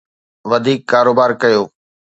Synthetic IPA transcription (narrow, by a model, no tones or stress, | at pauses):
ʋɐd̪ʱiːkːaːɾoːbaːɾkɐjoː